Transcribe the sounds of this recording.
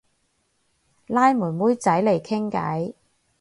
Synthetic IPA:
laː˥jmuː˨˩nmuː˨˥jt͡sɐ˨˥jle˨˩jkʰɪ˥ŋkɐ̰˨˥j

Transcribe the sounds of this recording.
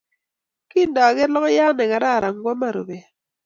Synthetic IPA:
ki˦ndɔ˨ɡɛ˦lɔ˦kɔ˦ja˦nɛ˨ka˨ɾa˦˨ɾa˨ŋɡwɔ˦ma˦˨ɾo̰˨be˨

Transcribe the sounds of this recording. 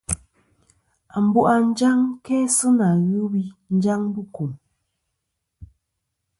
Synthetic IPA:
a˨m̩˨˦bu˦ʔa˨n̩˦d͡ʒa˦ŋkɛ˦sɨ˦na˨ɣu˦bi˦n̩˦d͡ʒa˦ŋbu˦˨ku˨m

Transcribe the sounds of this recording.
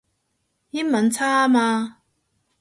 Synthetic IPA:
ji˦˥mɐ˨˦nt͡sʰaː˦˥maː˧

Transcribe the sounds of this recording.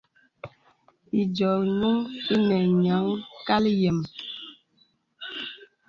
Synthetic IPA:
i˨d͡ʒɔ˨ɲu˦ŋi˦nɛ˨ɲa˨˦ŋka˦ljɛ˨m

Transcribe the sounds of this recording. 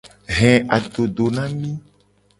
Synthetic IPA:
ɦɛ̃˨ʔa˨ɖo˨ɖo˨nã˦mĩ˦

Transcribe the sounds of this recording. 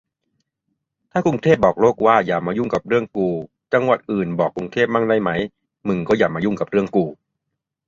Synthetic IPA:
t̪ʰaː˥˩ku˧ŋt̪ʰeː˥˩p̚bɔː˨˩k̚loː˥˩k̚waː˥˩jaː˨˩maː˧˦ju˥˩ŋka˨˩p̚ɾɯ˥˩əŋkuː˧ | t͡ɕa˧ŋwa˨˩t̪̚ʔɯː˨˩nbɔː˨˩kːɾu˧ŋt̪ʰeː˥˩p̚maː˥˩ŋda˥˩jma˦˥j | mɯ˧˩ŋkɔː˥˩jaː˨˩maː˧ju˥˩ŋka˨˩p̚ɾɯ˥˩əŋkuː˧

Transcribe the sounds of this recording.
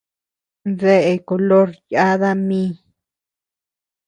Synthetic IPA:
ðe˧ʔe˧ko˨lo˦ɾja˦ða˦mĩ˦

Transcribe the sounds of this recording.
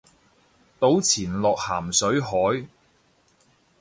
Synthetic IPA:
t̪o˨˥wt͡sʰiː˨˩nlɔː˨k̚haː˨˩msɵ˨˥ɥɦɔː˨˥j

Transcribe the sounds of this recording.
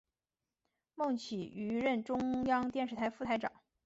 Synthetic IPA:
mɤ˥˩ŋt͡ɕʰi˨˩y˧˥ɻə˥˩nʈ͡ʂʊ˥ŋjɑ˥ŋt̪jɛ˥˧nʂɻ̩˥˩t̪ʰa˧˥ɪfu˥˩t̪ʰa˧˥ɪʈ͡ʂɑ̰˨˩˦ŋ

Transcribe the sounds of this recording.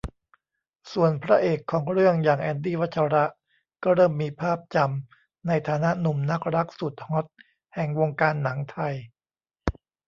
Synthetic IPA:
su˨˩ənpʰɾa˦˥ʔeː˨˩kʰːɔː˩˦ŋɾɯ˥˩əŋjaː˨˩ŋʔɛː˧ndiː˥˩wa˦˥t̪̚t͡ɕʰa˧ɾa˦˥ʔ | kɔː˥˩ɾɤː˥˩mːiː˧pʰaː˥˩p̚t͡ɕa˧m | na˧jt̪ʰaː˩˦na˦˥nu˨˩mna˦˥k̚ɾa˦˥k̚su˨˩t̪̚ho˦˥t̪̚ | hɛ˨˩ŋwoː˧ŋkaː˧nːa˩˦ŋt̪ʰa˧j

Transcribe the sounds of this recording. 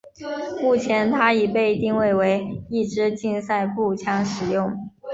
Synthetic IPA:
mu˥˩t͡ɕʰjɛ˧˥nt̪ʰa˥i˨˩pe˥˧ɪt̪i˥˧ŋwe˥˩ɪwe˧˥ɪi˥˩ʈ͡ʂɻ̩˥t͡ɕi˥˧nsa˥˧ɪpu˥˩t͡ɕʰjɑ˥ŋʂɻ̩˨˩jʊ˥˩ŋ

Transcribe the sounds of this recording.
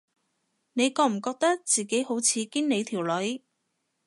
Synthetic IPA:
ne˨˧jkɔː˧m̩˨˩kɔː˧k̚t̪ɐ˥k̚t͡siː˨˩ke˨˥jho˨˥wt͡sʰiː˨˧kiː˥nne˨˧jt̪ʰiː˨˩wlɵ˨˥ɥ

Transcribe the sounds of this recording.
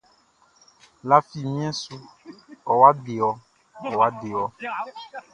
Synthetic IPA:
la˦fi˦˨mĩ˦ɛ̃˦su˦ɔ˨wa˦ɖe˨wɔ˨ | ɔ˨wa˦ɖe˨wɔ˨

